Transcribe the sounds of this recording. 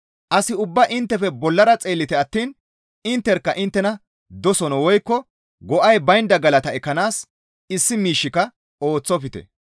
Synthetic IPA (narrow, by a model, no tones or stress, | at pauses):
ʔɐsɪʊbːɐʔɪnt̪ːɛfɛbɔlːɐɾɐt͡sʼe̞ːlːɪt̪ɛɐt̪ːiːn | ɪnt̪ːɛɾkːɐʔɪnt̪ːɛnɐ | d̪ɔsɔnɔwɔjkːɔ | ɡɔʔɐjbɐjnd̪ɐɡɐlɐt̪ɐɛkːɐnaːs | ɪsːɪmiːʃːɪkɐ | o̞ːt͡sːɔfɪt̪ɛ̰